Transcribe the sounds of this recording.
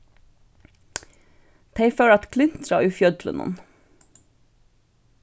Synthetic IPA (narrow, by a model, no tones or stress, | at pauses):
t̪ʰeɪføːlɑt̪kʰlɪnt̪ʰɾɑ̰ːʔʉːfjœd̪lə̰nɔ̰n